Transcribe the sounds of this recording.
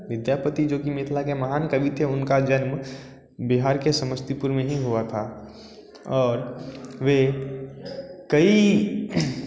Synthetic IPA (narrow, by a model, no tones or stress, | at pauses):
ʋɪd̪jaːpət̪id͡ʒoːkimet̪ʰlakemɐɦaːnkɐbʱit̪ʰeʊnkad͡ʒənm | biɦaːɾkesɐməst̪ipuɾmẽɦĩɦuat̪ʰa | ɔːɾʋe | kɐi